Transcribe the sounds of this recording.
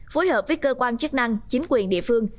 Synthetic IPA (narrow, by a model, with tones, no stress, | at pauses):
foː˨˦jhəː˨˩p̚vəː˨˦jkəː˧kwaː˧nt͡ɕɨ˦˥k̚na˧ŋt͡ɕi˨˦ŋ̟kwi˨˩ənɗḭ˧˨əfɨ˧əŋ